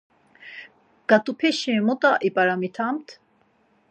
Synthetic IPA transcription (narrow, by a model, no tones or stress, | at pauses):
ɡ̥at̪ʼupʰɛʃɛ̃mɔt̪ʼaʔipʼaɾamit̪ʰamt̪ʰ